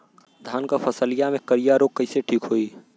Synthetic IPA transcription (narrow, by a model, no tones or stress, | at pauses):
d̪ʱaːnkapʰəsəlijamẽkəɾijaɾoːɡ̚kːəɪseʈʰiːkɦoːi